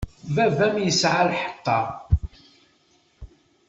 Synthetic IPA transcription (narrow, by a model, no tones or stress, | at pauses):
vævæmjəsʕalħə̥t̪ːɑɾˤ